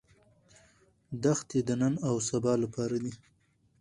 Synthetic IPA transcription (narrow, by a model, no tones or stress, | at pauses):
d̪axt̪ed̪ənanawsabɑlapʰɑɾad̪i